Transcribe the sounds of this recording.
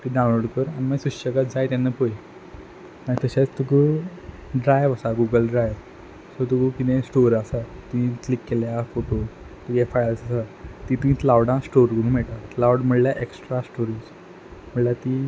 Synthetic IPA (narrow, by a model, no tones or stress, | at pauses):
t̪iːɖawnloɽkəɾañimaɡsuɕəɡat̪d͡zajt̪janːapoj | maɡt̪əɕat͡st̪uɡə | ɖɾajʋəsaɡuɡəlɖɾajʋ | sɔt̪uɡəpinẽsʈoɾasat̪uĩklikːeljafoʈo | t̪uɡefajəlsasat̪it̪uĩːt̪lawɽãsʈoɾɡʱəɽũmeʈ̪at̪lawɽm̤əɽljaʔeksʈɾasʈoɾiːd͡z | m̤əɽlat̪i